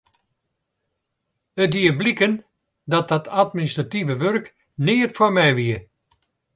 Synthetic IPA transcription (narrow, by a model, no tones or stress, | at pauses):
ətʋiəblikən | dɔt̚dɔtʰatministrativəʋørk | nɪːətformɛjʋiə